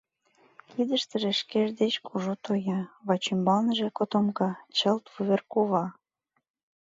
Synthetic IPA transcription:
id̪ə̆ʃt̪ə̆ʒĕʃkeʒd̪et͡ɕkʰuʒot̪ojɑβɑt͡ɕymbɑlnəʒekot̪omkɑt͡ɕəlt̪βuβerkuβɑ

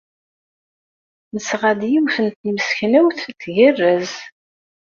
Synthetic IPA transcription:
nəsʁæd̪jiwθənt̪niməsçnæwθt̪ːʝərːəz

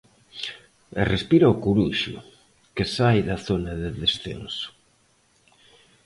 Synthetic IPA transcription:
erespiɾaokuɾuʃʊ̰ | kesajðɐθonɐðeðesθḛnsʊ̥

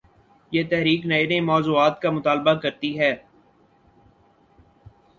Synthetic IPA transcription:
jeːt̪ɛɦɾiːknɐenemɔːzuːaːt̪kamʊt̪aːlbakɐɾt̪iɦɛː

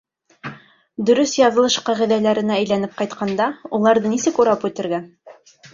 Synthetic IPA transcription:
d̪ɵ̆ɾɵsjɑðɤ̆lˠɤʃqɑʁiðælæɾɘ̆nææ̆jlænɘp̚qɑjt̪qʰɑnd̪ɑulˠɑɾðɤnisɘkuɾɑpʉt̪ɘ̆ɾɡæn

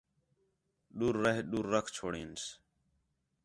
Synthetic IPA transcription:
ɗuːɾːəɦɗuːɾːəkʰt͡ʃʰoːɽeːns

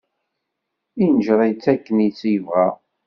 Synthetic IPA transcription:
inəʒɾˤɑjt͡sːækːənit͡sːijəvʁæ

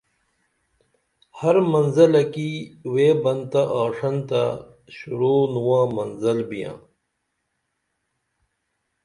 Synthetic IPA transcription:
hɐɾmɐnzɐlɐkiweːbɐnd̪t̪aʔaːʂɐnt̪a | ɕuɾoːnuwãːmɐnzɐlbijã̰ː

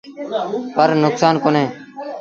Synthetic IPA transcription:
pəɾnʊksaːnkoːnẽː

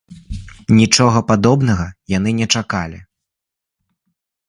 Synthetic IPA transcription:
nʲit͡ʂɔɣɐpad̪ɔbnɐɣɐjan̪ɨnʲɛt͡ʂakalʲḭ

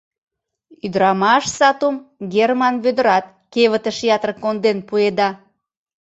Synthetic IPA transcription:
yd̪əɾɑmɑʃsɑt̪umɡʲermɑnβød̪ə̆ɾɑt̪̚ | keβət̪əʃjɑt̪rəkːond̪enpued̪ɑ

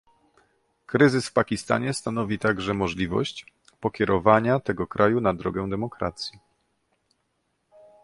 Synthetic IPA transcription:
kɾɘzɘsfpakʲist̪a̰ɲɛst̪an̪ɔvʲit̪aɡʐɛmɔʐlʲivɔ̰ɕt͡ɕ | pɔkʲɛɾʔɔvaɲat̪ɛɡɔkɾʔajunad̪ɾɔɡɛw̃d̪ɛmɔkɾa̰t̪sʲji

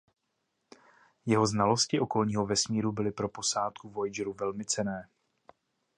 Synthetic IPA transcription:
jɛɦo̞znalo̞scɪʔo̞ko̞lɲiːɦo̞vɛsmiːɾubɪlɪpɾo̞po̞saːt̪kuvo̞jd͡ʒɾuvɛlmɪt͡sɛnɛː

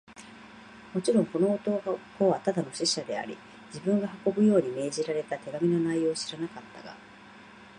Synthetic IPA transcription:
mo̞t͡ɕiɾõ̞ŋko̞no̞ːt̪oɡo̞βat̪ad̪ano̞ɕiɕad̪e̞a̰ɾʲḭ | d͡ʑibɯ̟̃ŋɡahako̞bɯ̟jo̞ːɲ̟ime̞ːʑiɾaɾe̞t̪at̪e̞ɡamʲino̞naijo̞ːɕi̥ɾanakat̪ːaɡa̰

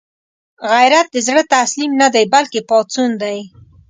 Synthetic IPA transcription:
ɣajɾat̪̚d̪əzɽət̪aslimnad̪ajbalkepɑt͡sund̪aj

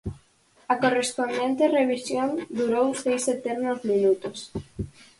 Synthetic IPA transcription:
ɐkorespond̪ent̪ereβ̞isjond̪uɾowsejset̪eɾnozmĩnut̪os

